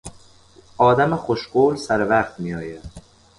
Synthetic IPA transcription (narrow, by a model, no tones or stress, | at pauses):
ʔɒːd̪æmexoʃɢoːlsæɾevæχt̪mijɒːjæd̪̥